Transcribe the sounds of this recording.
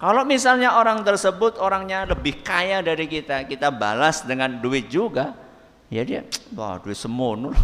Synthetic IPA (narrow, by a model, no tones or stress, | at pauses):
kalomisalɲaoɾaŋt̪ərsəbʊt̪oɾaŋɲaləbɪhkajadaɾikit̪akit̪aba̰lasdəŋanduɪt̪̚d͡ʒuɡa | d͡ʒadiwa̰duɪt̪̚səmʊnu